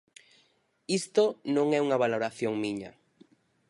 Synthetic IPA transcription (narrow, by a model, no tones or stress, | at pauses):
ist̪onõŋɛuŋaβaloɾaθjoŋmiɲa̰